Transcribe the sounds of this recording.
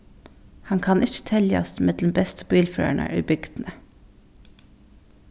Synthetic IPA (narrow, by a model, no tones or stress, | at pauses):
hɑŋkʰɑnʔɪçə̥t̪ʰɛljəɑ̰sd̪mɛd̪ləm̩bɛst̪əbiːlfø̰ːæɳʔæ̰ːɾʉ̰ːbʏɡd̪̥n̩ə